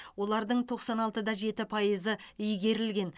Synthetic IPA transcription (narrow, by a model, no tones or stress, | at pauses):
wo̞lˠɑɾd̪əɴt̪ʰo̞qsɑnɑlˠt̪əd̪ɑʒe̞t̪ɪpʰɑjəzəʏjɡʲe̞ɾɪlɡʲe̞n